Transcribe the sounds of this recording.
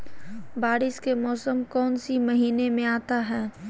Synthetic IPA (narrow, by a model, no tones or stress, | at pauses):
baːɾɪʃkemɔːsəmkɔːnsimɐɦiːnemẽaːt̪aɦɛː